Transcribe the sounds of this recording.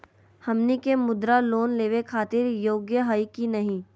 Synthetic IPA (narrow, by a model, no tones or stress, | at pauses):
hɐmnikemʊd̪ɾaloːnleːʋekʰaːt̪ɪɾjoːɡjəɦəjkinɐɦĩː